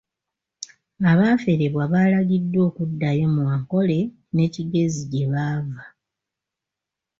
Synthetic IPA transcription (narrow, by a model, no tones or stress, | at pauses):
aβaːfe̞ɾeβwaβaːlaɡidːo̞ːkudːajo̞mwaːŋko̞le̞ | ne̞ciɡe̞ziɟe̞βaːva